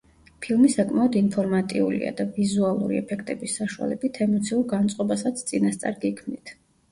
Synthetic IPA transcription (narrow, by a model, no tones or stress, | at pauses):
pʰilˠmisakʼmaɔd̪inpʰɔɾmat̪ʼiulḭa̰d̪avizualˠṵɾiɛpʰɛkʰt̪ʼɛbisːaʃua̰lɛbit̪ʰɛmɔt̪sʰiuɾɡant̪sʼqʼɔbasat̪sʰt̪sʼinast̪sʼa̰ɾɡikʰmnit̪ʰ